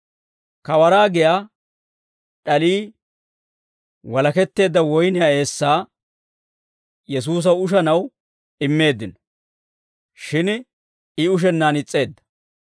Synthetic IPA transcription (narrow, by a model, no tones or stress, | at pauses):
kɐwɐɾaːɡɪjaː | ᶑɐliː | wɐlɐkɛt̪ːe̞ːd̪ːɐwɔjnɪjaːe̞ːsːaː | jɛs̬uːs̬ɐʊʃɐnɐw | ɪmːe̞ːd̪ːɪnɔ̥ | ʃɪn | ɪʊʃ̬ɛnːaːnɪt͡sʼːe̞ːd̪ːɐ̥